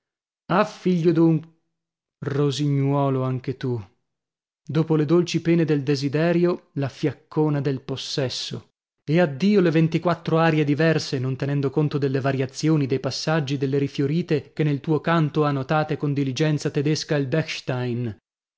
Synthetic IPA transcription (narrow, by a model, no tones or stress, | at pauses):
afːiʎːod̪uŋ | roziɲːwɔːloaŋk̟et̪u | d̪oːpoled̪olt͡ʃipɛːned̪eld̪ezid̪ɛːɾjolafjakʰːoːnad̪elposːɛsːo̰ | ead̪ːiːolevent̪ikwat̪ːɾoaːɾjed̪ivɛrsenont̪enɛnd̪okont̪od̪elːevaɾjat̪sjoːnid̪ejpasːad͡ʒːid̪elːeɾifjoɾiːt̪ek̟enːelt̪uːokant̪oanːot̪aːt̪ekond̪ilid͡ʒɛnt̪sat̪ed̪eskailbɛkʃt̪ajn